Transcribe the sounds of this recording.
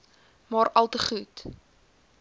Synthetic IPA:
mɑːɾɐlˠtəχut

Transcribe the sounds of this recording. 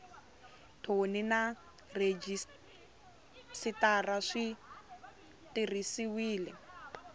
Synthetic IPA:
tʰonina | red͡ʒis | sitaraʂi | tirisiwiːlɛ

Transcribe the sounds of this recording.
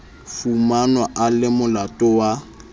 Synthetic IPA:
fumanwaʔalɪmʊlatʼɔwa

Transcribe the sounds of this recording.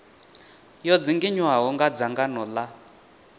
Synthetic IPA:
jɔd͡ziŋɡiɲwaɦɔŋɡad͡zaŋɡanɔla

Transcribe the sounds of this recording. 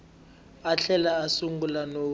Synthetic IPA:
aɬʰɛlaːsuŋɡulano

